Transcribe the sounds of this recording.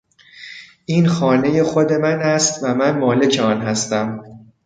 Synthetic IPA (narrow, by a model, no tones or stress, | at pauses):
ʔiːnxɒːne̞je̞xo̞d̪e̞mænæst̪væmænmɒːle̞cʰeɒːnɦæst̪æm